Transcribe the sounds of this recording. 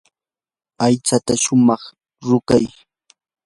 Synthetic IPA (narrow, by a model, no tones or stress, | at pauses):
ajt͡sat̪aʃʊmɑχ | ɾʊkaj